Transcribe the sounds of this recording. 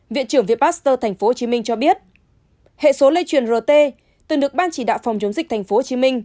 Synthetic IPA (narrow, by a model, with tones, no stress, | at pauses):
vḭ˧˨ənt͡ɕɨ˧˩əŋvḭ˧˨əɓaː˦˥st̪əː˧t̪ʰa˨˩ŋ̟fo˨˦ho˨˩t͡ɕi˨˦mï˧ŋ̟t͡ɕɔ˧ɓi˦˥ət̚ | hḛ˧˨so˨˦lə˧jt͡ɕwi˨˩ənzə˨˩t̪e˧ | t̪ɨ˨˩ŋɗɨ˨˩ək̚ɓaː˧nt͡ɕi˧˩ɗa̰ː˧˨wfa˨˩wŋ͡mt͡ɕə˨˦wŋ͡mzï˨˩k̚t̪ʰa˨˩ŋ̟fo˨˦o˨˩t͡ɕi˨˦mï˧ŋ̟